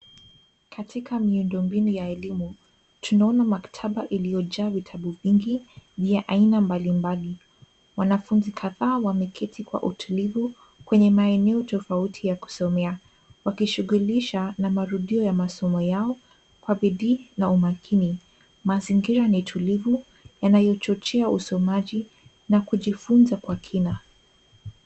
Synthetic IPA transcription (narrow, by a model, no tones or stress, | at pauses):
kʰatʰikʰamiundɔmbinujaɛlimu | tunaɔnamakḁtʰaɓaʔilijɔʄaːvitʰaɓuviŋɡiviaʔainambalimbali | wanafunzikʰaðaːwamɛkʰɛtʰikwa̰ʔutʰulivu | kwɛɲɛmaɛnɛɔtɔfautʰijaku̥sɔmɛa | wakiʃuɣuliʃanamaɾuɗiɔjamasɔmɔjaɔ | kwaɓiɗiːnaumakʰini | maziŋɡiɾanitʰulivu | janajɔt͡ʃɔt͡ʃɛausɔmaʄi | nakuʄifunzakwakʰina